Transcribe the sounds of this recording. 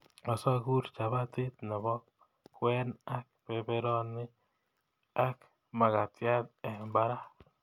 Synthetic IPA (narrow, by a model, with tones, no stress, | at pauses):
ɔ˨sa˦ku˦ɾt͡ʃa˨βa˦t̪ɪ˦t̪na˨bɔ˦k | wɛ˦na˦k̚pɛ˨bɛ˦ɾɔ˦nːɪ˦ | a˦k | ma˨ka˨tja˦t̪ɛ˨mba˦ɾa˦